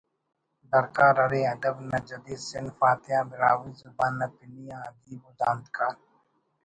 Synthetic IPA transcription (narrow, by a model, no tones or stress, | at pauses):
d̪ɐɾkaːɾɐɾeɐd̪ɐbnɐd͡ʒɐd̪iːsɪnfaːt̪ɪjaːbɪɾaːwiːzʊbaːnːɐpɪnijãɐd̪iːbud̪ãːnd̪kʰaːɾ